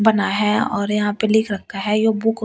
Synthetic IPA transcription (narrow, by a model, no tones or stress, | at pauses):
bɐnaɦɛɔ̰ːɾjɐɦãpelɪkʰɾɐk̚ʰt̪aɦɛjoːbʊk